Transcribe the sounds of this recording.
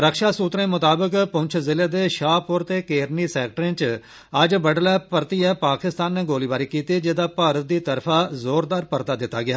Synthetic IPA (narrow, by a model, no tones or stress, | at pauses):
ɾəkʃaːsuːt̪ɾẽːmʊt̪aːbəkpʊ̃ɲt͡ʃʰzɪleːd̪eːʃaːpʊɾt̪eːkeːɾniːsɛːk̚ʈɾẽt͡ʃ | əd͡ʒbəɖlɛːpəɾt̪iɛːpaːkɪst̪aːnːeːɡoːliːbaːɾikiːt̪id͡ʒɪd̪aːpaːɾət̪̚d̪iːt̪əɾfʰaːzoːɾd̪aːɾpəɾt̪aːd̪ɪt̪ːaːɡɪjaː